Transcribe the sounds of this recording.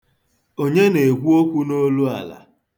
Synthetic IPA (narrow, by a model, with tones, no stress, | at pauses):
o˦ɲe˦ne˨ɡʷu˦o˦kʷu˦no˦lu˦a̰˨la̰˨